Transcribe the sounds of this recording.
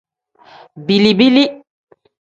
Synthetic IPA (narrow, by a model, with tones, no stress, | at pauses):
bi˨li˨bi˦li˦